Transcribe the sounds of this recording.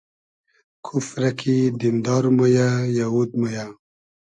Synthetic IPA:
kʰufɾakʰid̪ind̪ɑːɾmojajawud̪̚moja

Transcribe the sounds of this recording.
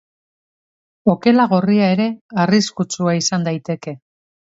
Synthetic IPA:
o̞ke̞laɣ̞oriae̞ɾe̞ariskut͡suaisand̪ajt̪e̞ke̞

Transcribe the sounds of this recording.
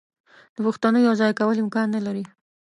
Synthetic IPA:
d̪̥əpuxt̪anəjojawzɑjkawəlɪmkɑnːalaɾi

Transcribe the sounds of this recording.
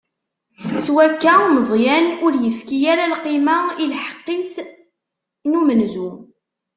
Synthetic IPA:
swækːæməzˤjænʊɾjəfkijæɾalqimailħə̥qːis | numənzu

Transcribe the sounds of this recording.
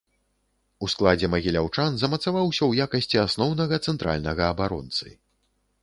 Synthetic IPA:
usklˠad͡zʲɛmɐɣʲilʲawt͡ʂanzɐmɐt̪savawsʲɐwjakɐsʲt͡sʲiasnɔwnɐɣɐt̪sɛnt̪ɾa̰lʲnɐɣɐːbaɾɔ̰nt̪sɨ̰

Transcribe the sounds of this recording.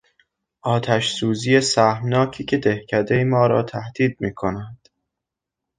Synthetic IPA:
ʔɒːt̪ʰæʃsuːziːjesæhmnɒːcʰiːcʰe̞d̪ehcʰæd̪ejmɒːɾɒ̰ːt̪ʰæhd̪̥iːd̪̚miːkʰo̞næd̪̥

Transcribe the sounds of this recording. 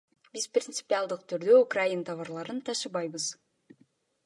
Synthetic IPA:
biz̥prʲɪnt̪sɨ̥pʲialˠd̪ɯqt̪ʰyɾd̪øukrajint̪ʰɑvɑɾlˠɑɾɯnt̪ʰɑʃɯbɑjbɯz̥

